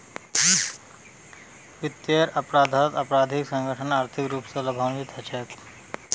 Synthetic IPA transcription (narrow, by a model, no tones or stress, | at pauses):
ʋit̪jeɾɐpɾaːd̪ʱət̪ɐpɾaːd̪ʱiksɐ̃ŋɡəʈʰənaːɾt̪ʰikɾuːpsɐlɐbʱaʋnʋit̪ʰɐt͡ʃʰɛt̪